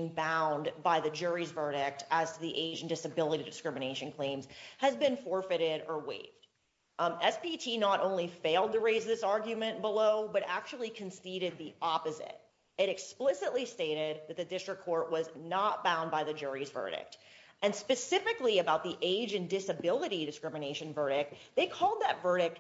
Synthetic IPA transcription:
ŋbãʊ̃nbaɪðɨd͡ʒʊɹizvɜ˞ɾɪk̚tʰæz̥tʰɨðiʔeɪd͡ʒn̩dɨsɨbɪlˠəɾiɾɨdɨskɹ̥ɪ̃mɨñeɪʃɨ̃n̩kʰl̥ẽɪ̃mz̥ɨzbɨ̃nfɔɹfɨɾɪɾə˞wḛɪvd̥ | ɛspitʰinəɾʔõ̰ʊ̃nlifeɪlˠd̚tɨɹeɪzðɪsɑɹɡjɨmɨ̃nb̥əloʊbʌɾæk̚t͡ʃul̩ˠikʰɨ̃nsiɾɨd̪̚ðiʔɑpɨzɪ̰t̚ | ɨɾɨksplɪsɨʔˡlisteɪɾɪd̪̚ðɨt̪̚ðɨdɪstɹ̥ɨkʰːɔɹt̚wʌznət̚b̥ãʊ̃ndbaɪðɨd͡ʒʊɹizvɜ̰˞ɾɪ̰k̚tʔɨ̃nspɨsɪfɨkliɨbaʊt̪̚ðiʔeɪd͡ʒɨ̃ndɪsɨbɪlˠəɾiɾɨskɹ̥ɪ̃mɨneɪʃɨ̃nvɜ˞ɾɪk̚ðeɪkʰɔlˠd̪̚ðətvɜ˞ɾɪk̚t̚

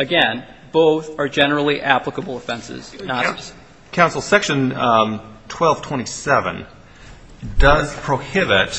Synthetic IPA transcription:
ɨɡɛ̃n | b̥oʊθə˞d͡ʒɛnə˞l̩ˠiʔæpləkəbl̩ˠəfɛ̃nsɪ̰z̥na | kʰãʊ̃nsl̩ˠsɛkʃɨ̃n | tʰw̥ɛlˠv̥tʰw̥ɛ̃ɾ̃isɛvɨ̰̃n | dʌz̥pʰɹ̥oʊhɪbɪt

